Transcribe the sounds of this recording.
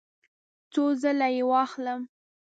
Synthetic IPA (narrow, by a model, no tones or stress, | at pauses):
t͡sozəlajewɑxləm